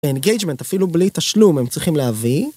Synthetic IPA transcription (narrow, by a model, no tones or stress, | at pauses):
eenɡejd͡ʒme̞ntafilublit̪aʃlumemt͡sʁiχimleɦavi